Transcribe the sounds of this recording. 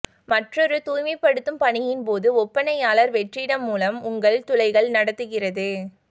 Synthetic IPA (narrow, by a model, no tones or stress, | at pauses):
mɐʈrɔɾɯt̪uːjmɐɪpːɐɽɯt̪ːɯmpɐɳɪjɪnpoːðɯɔpːɐnɐjaːlɐɾʋɛʈriɽɐmːuːlɐmʊŋɡɐɭt̪ʊlɐɪɣɐɭnɐɽɐt̪ːɯɣɪrɐðɯ